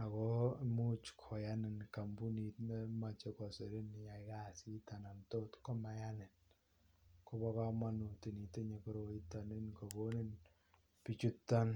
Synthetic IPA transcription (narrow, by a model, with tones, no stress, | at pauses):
a˨kɔ˦mu˦t͡ʃkʰɔ˨ja˦nɪ˨nka˨mbu˦ni˨tne˦ma˦t͡ʃe˦kɔ˨se˨ɾe˦ni˨ja˨i˨ka˦˨si˦ta˨na˨nto˦tko˦ma˨ja˦nɪ˨n | ko˦bɔ˦ka˦ma˦nu˨te˨ni˨te˦ɲe˨ko˦ɾo˨i˦ta˨ni˦nko˨bo˦ni˦n | pi˦t͡ʃu˦tːa˦n